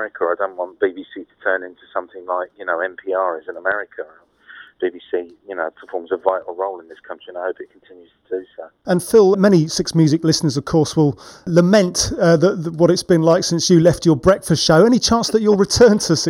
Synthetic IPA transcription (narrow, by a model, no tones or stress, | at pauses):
ɹɪkʰəəaɪdõʊ̃nʔwɒ̃nb̥ibisitʰə̥tʰɜːnɪ̃ntʰusʌ̃mθɪ̃ŋlaɪkjɨnoʊɛ̃mpʰiːɑːɹɪzə̃nəmɛɹɪkʰəə | b̥ibisijɨnoʊpʰə̥fɔːmzəvvaɪʔl̩ˠɹoʊlɪ̃nðɪskʰʌ̃nt͡ʃɹ̥iə̃naɪhoʊpɪt̚kʰə̃n̩tʰɪ̃njʉz̥tʰədɨsəʊə̃nfɪlˠmɛñisɪksmjʉzɪklɪsnə˞zəv̥kʰɔɹswɪlˠləmɛ̃ntʌðəʔðəwʌɾɨtsb̥ɨ̃nlaɪksɪ̃nsjəlɛft͡ʃə˞bɹɛkfəstʃəʊɛɾ̃it͡ʃʰɑ̃nsðət͡ʃəlˠɹɪtʰɜːntʰəs